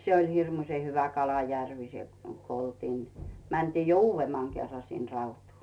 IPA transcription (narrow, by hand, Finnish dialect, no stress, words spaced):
se olʲ hirmuĭsʲe hyʋæ kɑlɑjærʋi se ko oltiːn mæntiː jo uːʋːemːɑŋ kerːɑ sin rɑutuː